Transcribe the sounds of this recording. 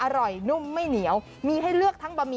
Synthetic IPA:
ʔa˧ɾɔ˨˩jnu˥˩mːa˥˩jni˩˦əw | miː˧ha˥˩jlɯ˥˩ək̚t̪ʰa˦˥ŋbaː˧miː˧

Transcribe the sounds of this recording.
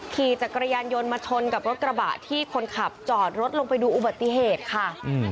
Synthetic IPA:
kʰiː˨˩t͡ɕa˨˩kːɾa˧jaː˧njo˧nmaː˧t͡ɕʰo˧nka˨˩p̚ɾo˦˥t̪̚kɾa˧ba̰ː˨˩ʔt̪ʰiː˥˩kʰo˧nkʰa˨˩p̚t͡ɕɔː˨˩t̪̚ɾo˦˥t̪̚lo˧ŋpa˧jduː˧ʔu˨˩ba˨˩t̪ːi˨˩ɦeː˨˩t̪̚kʰa˥˩˧

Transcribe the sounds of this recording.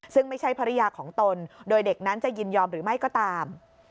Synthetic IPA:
sɯ˥˩ŋma˥˩jt͡ɕʰa˥˩jpʰa˧ɾa˦˥jaː˧kʰɔː˩˦ŋt̪o˧ndoː˧jde˨˩k̚na˦˥nt͡ɕa˨˩ji˧njɔː˧mɾɯː˩˦ma˥˩jkɔː˥˩t̪aː˧m

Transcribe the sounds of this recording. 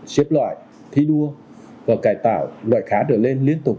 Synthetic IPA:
t͡ɕi˦˥əp̚lwa̰ː˧˨j | t̪ʰi˧ɗu˧ə | vaː˨˩kaː˨˩jt̪a̰ː˧˩wlwa̰ː˧˨jxaː˨˦ɗəː˧˩le˧nli˧ənt̪ʊ˨˩k͡p̚

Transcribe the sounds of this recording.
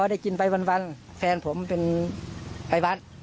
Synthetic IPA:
ɔ˧˦da˥˩jki˧˨npa˨˧jwa˧˨nwa˧˥n | fɛː˧npʰo˩˦mpe˧n | pa˧jwa˧˥n̚

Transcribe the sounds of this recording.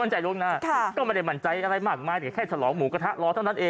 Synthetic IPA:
a˥˩nt͡ɕa˧jɾo˦˥k̚naː˧˩kʰa˥˩kɔː˥˩ma˥˩da˥˩jma˧˥˩nt͡ɕa˧jʔa˧ɾa˧jmaː˥˩k̚maː˧jt̪ɛ˨˩˦kʰɛː˥˩t͡ɕʰa˧lɔː˩˦ŋmuː˩˦ka˧t̪ʰa˦˥ʔlɔː˧t̪ʰa˥˩wnʰa˥˩ʔeː˧

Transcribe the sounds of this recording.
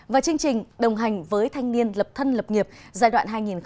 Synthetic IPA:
vaː˨˩t͡ɕɨ˧əŋt͡ɕï˨˩ŋ̟ɗə˨˩wŋ͡mɦa˨˩ŋ̟vəː˨˦jt̪ʰa˧jŋ̟ni˧ənlə˨˩p̚t̪ʰə˧nlə˨˩p̚ŋi˨˩əp̚zaː˧˩jɗwa̰ː˧˨nɦaː˧jŋi˨˩n

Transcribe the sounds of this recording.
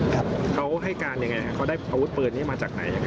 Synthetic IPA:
kʰa˦˥wɦa˥˩jkaː˧nja˧ŋːa˧jkʰa˦˥kʰa˦˥wdaː˥˩jʔaː˧wu˦˥t̪̚pɤː˨˩niː˦˥˩maː˧t͡ɕaː˨˩k̚na˩˦ja˧ŋːa˧˦

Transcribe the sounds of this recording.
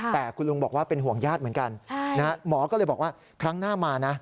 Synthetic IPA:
t̪ɛː˨˩kʰu˧nlu˧ŋmbɔː˨˩k̚waː˥˩pe˧nɦu˨˩əŋjaː˥˩t̪̚m˩˦ənka˧nʰ˥na˦ɦa˦˥mɔː˩˦kɔː˥˩lɤː˧jbɔː˨˩k̚waː˥˩ | kʰɾa˦˥ŋnaː˥˩maː˧na˦˥

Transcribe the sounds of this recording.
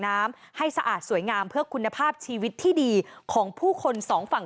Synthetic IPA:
naː˦˥m | ha˥˩jsa˧ʔa̰ː˨˩t̪̚su˩˦əjŋaː˧mpʰɯ˥˩əkʰu˧nːa˧pʰaː˥˩p̚t͡ɕʰiː˧wi˦˥t̪ʰːiː˥˩diː˧kʰɔː˩˦ŋpʰuː˥˩kʰo˧nsɔː˩˦ŋfa˨˩ŋ

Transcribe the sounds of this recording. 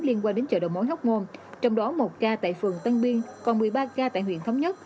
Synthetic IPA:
li˧ənkwaː˧ŋɗe˨˦nt͡ɕə̰ː˧˩ɗo̰˧˨˩wmo̰˧˥jɦwk͡p̚ŋo˧nt͡ɕɔ˧wŋ͡mɗɔ˨˦mo˨˩t̚kaː˧t̪a̰ː˧˨jfɨ˨˩əŋt̪a˧ŋɓi˧ənkɔ˨˩nmɨ˨˩əjɓaː˧kaː˧t̪a̰ː˧˨jhwḭ˧˨ənt̪ʰwŋ͡mɲə˦˥t̚

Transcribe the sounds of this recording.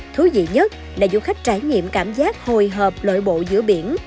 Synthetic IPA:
t̪ʰu˨˦zḭ˧˨ɲə˦˥t̚ | laː˨˩zṵ˧˥xa˦˥jk̚t͡ɕaː˧˩jɲḭ˧˨əmkaː˧˩mzaː˦˥t̚ho˨˩jɦəː˨˩p̚lo̰ː˧˨jɓo̰˧˨zɨ̰˧˥əɓi˧˩ən

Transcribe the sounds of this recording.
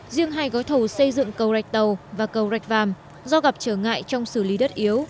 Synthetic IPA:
zi˧əŋɦaː˧jɣɔ˨˦t̪ʰo˧˩sə˧jzɨ̰˧˨ŋkə˨˩wza˨˩jk̟̚t̪ə˨˩wvaː˨˩kə˨˩wza˨˩jk̟̚vaː˨˩m | zɔ˧ɣa˨˩p̚t͡ɕəː˧˩ŋa̰ː˧˨jt͡ɕɔ˧wŋ͡msɨ˧˩li˨˦ɗə˦˥t̚ʔi˨˦ə˦w

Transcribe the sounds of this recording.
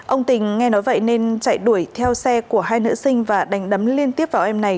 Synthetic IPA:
ʔə˧wŋ͡mt̪ï˨˩ŋ̟ŋɛ˧nɔ˨˦jvə̰˧˨jne˧nt͡ɕa̰ː˧˨jɗu˧˩əjt̪ʰɛ˧wsɛ˧ku˧˩əɦaː˧jnɨ̰˧˥sï˧ŋ̟vaː˨˩ɗa˨˦jŋ̟ɗə˨˦mli˧ənt̪i˦˥əp̚vaː˨˩wʔɛ˧mna˨˩j

